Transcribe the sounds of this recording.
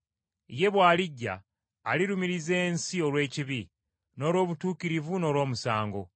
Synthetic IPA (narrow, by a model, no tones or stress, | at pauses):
je̞βwaːliɟːa̰ː | liɾumiɾize̞ːnsio̞lwe̞ːciβi | no̞ːlwo̞ːβutuːkiɾivuno̞ːlwo̞ːmusaːŋɡo̞̰